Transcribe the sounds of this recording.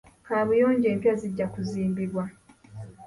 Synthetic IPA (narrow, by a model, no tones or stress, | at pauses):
kaβujoːɲɟe̞ːmpjaziɟːakuziːmbiβwa